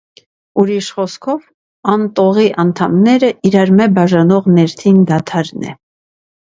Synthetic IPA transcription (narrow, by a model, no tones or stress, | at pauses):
uɾiʃχɔskʰɔv | ɑnt̪ɔʁiʔɑnt̪ʰɑmnɛɾəiɾɑɾmɛbɑʒɑnɔʁnɛɾt̪ʰind̪ɑt̪ʰɑɾnɛ̰